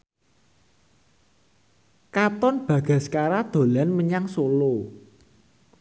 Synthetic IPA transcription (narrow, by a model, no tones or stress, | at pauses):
kat̪ɔnb̥ä̤ɡ̥a̤skaɾad̪̥o̤lanməɲaŋsolo